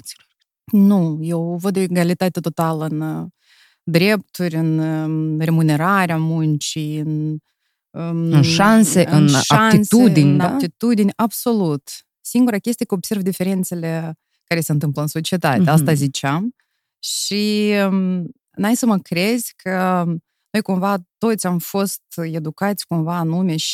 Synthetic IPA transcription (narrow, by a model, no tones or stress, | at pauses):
t̪silo | nuje̞wvəd̪ːeeɡalit̪at̪et̪o̞t̪aləɨn | d̪ɾe̞p̚t̪urʲɨnrʲe̞mune̞ɾaɾeamunt͡ʃijɨn | əɨnʃanseɨɨnʃaaisued̪inʲaat̪it̪ud̪inʲabso̞lut̪ | siŋɡuɾakʲe̞st̪ijekəobse̞rvd̪ife̞ɾe̞nt̪se̞le̞ | kaɾe̞seɨnt̪ɨmpləɨnso̞t͡ʃiet̪at̪east̪azit͡ʃeam | ʃi | ɨnajisəməkɾe̞zʲkʰə | no̞jkumvat̪o̞t̪sʲamfo̞st̪e̞d̪ukat̪sʲkumvaːnume̞ʃ